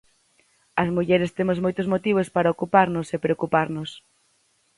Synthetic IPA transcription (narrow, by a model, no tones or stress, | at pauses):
ɐzmuʎɛɾest̪emozmojt̪ʊzmot̪iβ̞ospaɾɐokupaɾnʊsepɾeokupaɾnʊs